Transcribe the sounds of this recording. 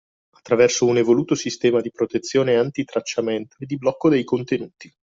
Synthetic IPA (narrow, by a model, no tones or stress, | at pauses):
at̪ːɾavɛrsounevoluːt̪osist̪ɛːmad̪ipɾot̪et̪sːjoːneant̪it̪ɾat͡ʃːament̪oed̪ːiblɔkːod̪ejkont̪enuːt̪i